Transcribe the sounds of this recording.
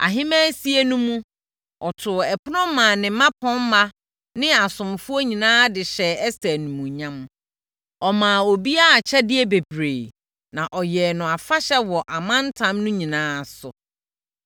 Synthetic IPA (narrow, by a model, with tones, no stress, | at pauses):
a̰˨ɦɪ̃˦mæ̃˦si˦e˦nũ˦mũ˦ | ɔ˨tʰʊ˨ɛ˨pʰʊ˦nɔ̃˦mãː˨nɪ̃˨˦mã˦pʰɔ̃˦m̩ː˦a˦ | nɪ̃˦a˨sʊ̃˨mfʊ˦o˦ɲĩ˨nãː˦dɪ˨ɕɛ˨ɛ˦stæ˨nũ˨mũ˨ɲã˦m | ɔ˨mãː˨o˨bi˦a˦a˨t͡ɕʰɛ˦dɪ˦ɛ˦be˨bɾeː˨ | nã˨ʔɔ˨jɛː˨nʊ̃˨a˨fa˦ɕɛ˦wɔ˨ʔa˨mã˦n˦tʰã˦mnʊ̃˦ɲĩ˨nãː˦˨sʊ̰˨